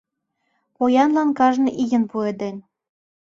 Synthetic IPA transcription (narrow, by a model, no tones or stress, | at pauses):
pojɑnlɑnkɑʒnɤ̆ʔijə̆npued̪enʲ